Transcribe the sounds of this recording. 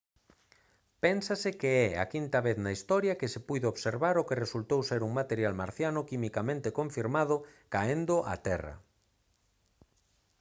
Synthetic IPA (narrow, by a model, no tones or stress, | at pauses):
pɛnsasɪkeɛa̰kint̪ɐβeθnaist̪ɔɾjɐkɪsɪpujðeoβseɾβaɾʊkeresult̪owseɾuŋmat̪eɾjalmaɾθjanʊkimikamẽnt̪ekoɱfiɾmaðʊkaend̪ʊʔa̰t̪ɛrɐ̰